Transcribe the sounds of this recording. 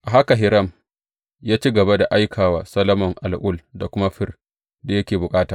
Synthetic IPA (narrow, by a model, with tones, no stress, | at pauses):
ʔa˨ɦa˦ka˨ɦɪ˨ɾɐ˦˨m | jaː˦t͡ʃiː˦ɡɐ˨ba˦da˨ʔa˦jkʰaː˨waː˨˦sɐ˦lɐ˦mɔ˨ŋʔa˨lʔʊ˦˨lda˨kʷʊ˦ma˦ɸɪ˦r | da˨jɐ˦kʲeː˨bʊ˨kʼaː˦taː˨